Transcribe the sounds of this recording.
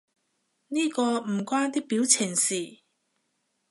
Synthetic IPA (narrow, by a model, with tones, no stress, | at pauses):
niː˥kɔː˧m̩˨˩kwaː˥nt̪iː˥k̚piː˨˥wt͡sʰɪ˨˩ŋsiː˨˩